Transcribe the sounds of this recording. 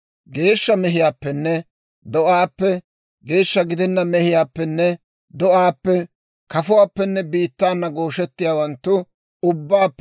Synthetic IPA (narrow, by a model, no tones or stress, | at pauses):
ɡe̞ːʃːɐmɛɦɪjaːpːɛnːɛ | d̪ɔʔaːpːɛ | ɡe̞ːʃːɐɡɪd̪ɛnːɐmɛhɪjaːpːɛnːɛ | d̪ɔʔaːpːɛ | kɐfʊwaːpːɛnːɛbiːt̪ːaːnːɐɡo̞ːʃɛt̪ːɪjaːwɐnt̪ːʊ | ʊbːaːpː